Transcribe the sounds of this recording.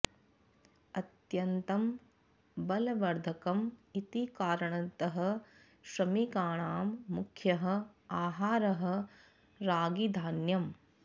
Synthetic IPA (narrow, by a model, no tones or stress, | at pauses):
ɐt̪jɐnt̪ɐm | bɐlɐʋɐɾd̪ʱɐkɐmit̪ikaːɾɐɳɐnt̪ɐɦɐ̆ | ʃɾɐmikaːɳaːmːukʰjɐɦɐ̆aːɦaːɾɐɦɐ̆ | ɾaːɡid̪ʱaːnjɐm